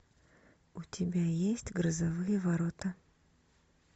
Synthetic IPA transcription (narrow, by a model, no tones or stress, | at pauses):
utʲɪbʲajesʲtʲɡrəzɐvɨjəvɐɾot̪ə